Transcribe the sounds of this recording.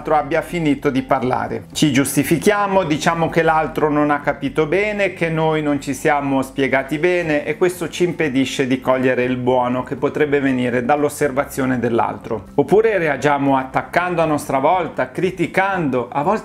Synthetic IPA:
lt̪ɾoabːjafiniːt̪od̪iparla̰ːɾḛt͡ʃid͡ʒust̪ifikjaːmod̪it͡ʃaːmok̟elalt̪ɾononakːapiːt̪obɛːnekenːojnont͡ʃisjaːmospjeɡaːt̪ibɛːneʔekwest̪ot͡ʃiːmped̪iʃːed̪ikɔʎːeɾeilbwɔːnokepːot̪ɾɛbːeveniːɾed̪alːosːervat̪sːjoːned̪elːa̰lt̪ɾoopːuːɾeread͡ʒaːmoat̪ːakːand̪oanːɔst̪ɾavɔlt̪akɾit̪ikand̪oʔavɔl

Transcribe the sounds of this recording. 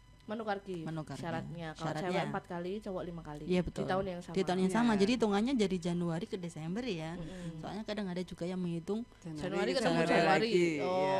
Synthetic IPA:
manokarɡimanuɡaraɾat̪̚ɲaʃkaaɾatɲbəəmpat̪̚kalit͡ʃowɔlimakaliijabətt̪ḭlt̪aʊnjaŋsadit̪aʊnjaŋsamad͡ʒadit̪uŋaɲad͡ʒadid͡ʒanuaɾikədesɛmbərjasoa̰lɲakadaŋadad͡ʒuɡajaŋməŋit̪ʊŋ | d͡ʒanuaɾikəamaaɾiiɔ

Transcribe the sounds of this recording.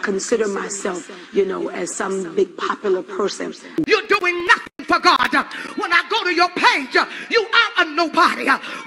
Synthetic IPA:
kʰɨ̃nsɪɾə˞maɪsɛlˠfjɨnoʊɨz̥sʌ̃mbɪɡ̚pʰɑpjl̩ˠə˞pʰɜ˞sɨ̰̃n | jə˞duɪ̃ŋnʌθɪ̃ŋfə˞ɡɑdwə̃naɪɡoʊɾɨjə˞pʰeɪd͡ʒjɨʔə˞ənoʊbɑɾi

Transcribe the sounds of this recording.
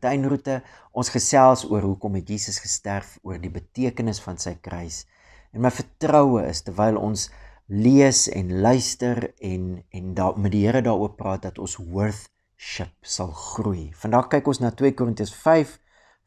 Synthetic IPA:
tɛjnrutəʔɔnsχəsælˠsuərɦukɔmɦɛtjiːsəsχə̥stærfuərdibətiəkənəsfɐnsəjkrəjs | ɛnməjfərtrəwəʔə̰stərvɛjlˠɔ̰nsliəsɛ̰nlœɥstərɛnɛndmɛt̚diɦəɾədɑːɾuərprɑːt̚dɐtɔnswərθ | ʃəp̚sɐlˠχrujfɐndɐχkɛjkɔnsnɑːtwiəkurəntiəsfɛjf

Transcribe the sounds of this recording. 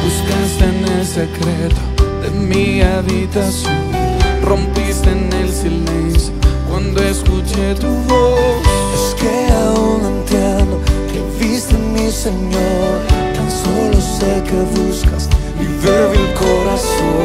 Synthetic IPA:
buskast̪enelsekɾet̪ʊ̥ðemĩaβit̪asjõrõmpisenelsilẽnsjʊkwɐ̃nd̪oeskut͡ʃet̪uvobuskeaũŋɐ̃nt̪janʊkevist̪ɪmiseɲoɾk̪ɐ̃nsolʊsekeβuskɐs | ivevikoɾas | õ

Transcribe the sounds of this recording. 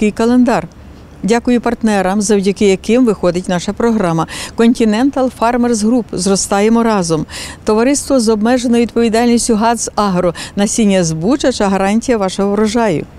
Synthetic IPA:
kɪjkɐlˠend̪ɑr | dʲakʊjʊpɐrt̪nɛɾɐmzɐwdʲɐkɪjɐkɪmʋɪxɔd̪ɪtʲnɑʃɐpɾɔɦɾɑmɐkɔnʲtʲɪnɛnt̪ɐlˠfɑrmerzɦɾupzrɔst̪ɑjemɔɾɑzɔmt̪ɔʋɐɾɪst̪ʋɔzɔbmɛʒenɔʋʲid̪̚pɔʋʲid̪ɑlʲnʲisʲtʲʊɦɑzɑɦɾɔnɐsʲinʲːɐzbut͡ʃɐt͡ʃɐɦɐɾɑnʲtʲijɐʋɑʃɔɦɔʋɾɔʒɑjʊ̰

